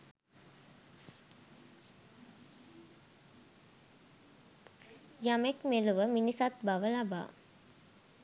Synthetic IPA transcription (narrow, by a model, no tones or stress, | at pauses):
jamekmeluʋəminisat̪̚baʋəlaba̰ː